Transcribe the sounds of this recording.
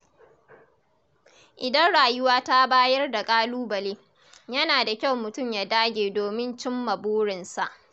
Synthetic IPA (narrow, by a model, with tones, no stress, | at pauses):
ʔɪ˨dɐ˦nɽaː˨jʊ˦waː˦ta˦baː˦jɐ˦rda˨kʼaː˦luː˦bɐ˨leː˦ | jɐ˦naː˨da˨kʲa˦˨wmʊ˨tʊ˦˨mjaː˦daː˦ɡʲeː˨doː˨mɪ˦nt͡ʃɪ˦mːɐ˨buː˦ɽɪ˨nsa˨ʔ